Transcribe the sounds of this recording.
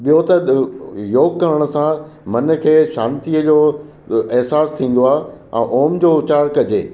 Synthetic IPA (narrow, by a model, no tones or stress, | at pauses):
ɓijot̪ɐjoːɡkɐɾəɽ̃ə̆sãmɐnə̆kʰeːʃaːnt̪iəd͡ʑoː | ɪɦsaːst̪ʰĩːn̆d̪oaːɦɛ̰̃ːʔoːmd͡ʑoːt͡ɕaːɾkɐd͡ʑeː